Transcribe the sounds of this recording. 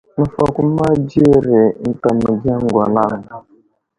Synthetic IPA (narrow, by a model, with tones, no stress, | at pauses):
n̩˨fa˨kʷu˦ma˦d͡ʒe˦˨ɾe˨n̩˨ta˨mə˨ɡa˦ŋ̩˦ɡʷa˨la˦m̩˨